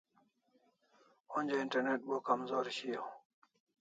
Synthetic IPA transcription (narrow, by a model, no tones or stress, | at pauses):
onʲd͡ʑeiɳʈɐɾneʈ̚bokɐmzoːɾɕiː